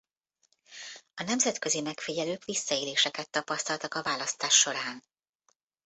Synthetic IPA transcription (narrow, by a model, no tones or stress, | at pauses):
ɒnɛmzɛt̪kø̞zimɛkfiɟɛløːkʋisːɒeːleːʃɛkɛt̪ːɒpɒst̪ɒlt̪ɒkɒvaːlɒst̪aːʃːo̞ɾaːn